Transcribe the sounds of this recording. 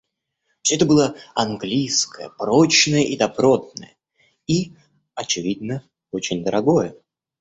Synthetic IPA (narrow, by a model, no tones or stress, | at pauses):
fʲsʲoɛt̪əbɨlˠəɐnɡlʲijskəjə̰pro̞t͡ɕnəjəʔid̪ɐpɾo̞d̪̚nəjə | i | ɐt͡ɕɪvʲid̪nə | o̞t͡ɕɪnʲd̪əɾʔɐɡojə